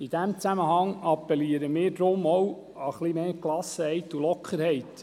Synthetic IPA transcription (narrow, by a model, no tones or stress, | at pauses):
id̥æmt͡sæməɦɑŋɑpːɛliːəɾəmɪːɾdɾʊmɔw | əχlimeːklɑsəhɛɪt̪ːulɔkʰχəɾhɛɪt